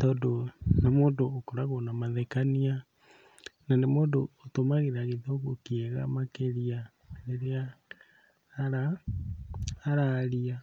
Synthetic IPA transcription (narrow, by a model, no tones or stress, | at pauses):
tɔːndonamoːndoːkoɾaɣonamaðɛkania | nanemoːdoːtomaɣeɾaɣeðoɣokiɛɣa̰makeɾia | neɾea | ɾa | ɾaɾia